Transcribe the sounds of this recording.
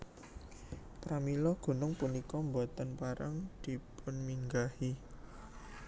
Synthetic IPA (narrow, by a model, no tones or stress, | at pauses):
pɾamilɔɡ̥ṳnʊŋpunikɔmbɔt̪ənpaɾaŋd̪̥i̤pʊnmiŋɡahi